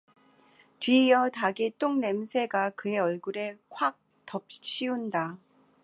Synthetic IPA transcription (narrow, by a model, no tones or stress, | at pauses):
tɥijʌtaɡet͈oŋne̞msʰe̞ɡakɯe̞ʌɭɡuɾe̞kʰwak̚ | tʌp̚ɕ͈ʰiunda